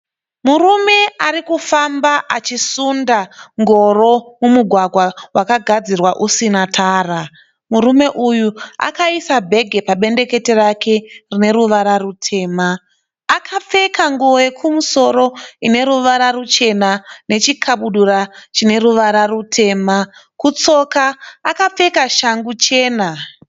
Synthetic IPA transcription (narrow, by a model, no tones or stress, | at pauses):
murume̞aɾikufambaʔat͡ʃisundaŋɡo̞ɾo̞mumuɡʱwaɡʱwawʔakaɡʱad͡zirwaʔusinatʰaːra | murume̞ʔujua̰kaisabʱe̞ɡʱe̞paɓe̞nde̞ke̞te̞rakʰe̞rine̞ɾuʋaɾarutʰe̞ːmaː | kʰap͡fe̞kaŋɡuʋoje̞kʰumuso̞ɾoine̞ɾuʋaɾarut͡ʃe̞nane̞t͡ʃikʰaɓuɗurat͡ʃine̞ɾuʋaɾarutʰe̞ːma | kut͡so̞kaːkap͡fe̞kaʃaŋɡut͡ʃe̞ːna